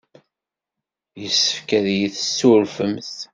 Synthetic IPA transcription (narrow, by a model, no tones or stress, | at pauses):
jəsːə̥fkæðjiθəsːuɾfəmθ